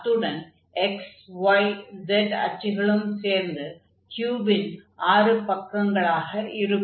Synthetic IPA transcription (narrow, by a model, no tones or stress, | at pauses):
t̪ːɯɽɐn | ɛksʋɐɪd͡ʒɛɖɐ̰t͡ʃːɪɣɐɭɯmseːɾnd̪ɯ | kjuːbɪnʔaːrɯpɐkːɐŋɡɐɭaːɣɐʔɪɾɯ